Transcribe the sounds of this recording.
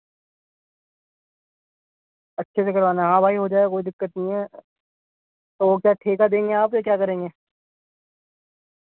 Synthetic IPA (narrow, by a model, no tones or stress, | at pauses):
ɐtːʃʰes̬ekɐɾʋaːnaɦãːbʱaːiɦod͡ʒaːekoːid̪ɪkːət̪nĩɦɛ | t̪oːʋoːkjaːʈʰeːkad̪ẽːŋɡeaːpsekjaːkɐɾẽːŋɡeː